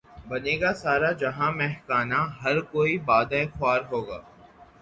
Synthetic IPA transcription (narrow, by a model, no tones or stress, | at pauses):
bɐneːɡasaːɾad͡ʒɐɦãmɛɦkaːnaɦɐɾkoːibaːd̪aexʊaːɾɦoːɡaː